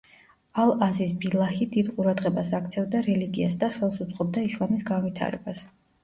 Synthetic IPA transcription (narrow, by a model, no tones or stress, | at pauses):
alˠazisbilˠahid̪id̪qʼuɾad̪ʁɛbasak̚ʰt̪sʰɛvd̪aɾɛliɡiasd̪aχɛlˠsut̪sʼqʼɔb̚d̪aislˠamisɡanvit̪ʰa̰ɾɛ̰bas